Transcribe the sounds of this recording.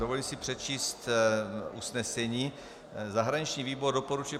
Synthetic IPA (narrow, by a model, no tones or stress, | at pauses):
dovoliːmsipr̝̥ɛtt͡ʃiːst̪ʔusnɛsɛɲiː | zaɦɾaɲit͡ʃɲiːviːbordopoɾut͡ʃujɛ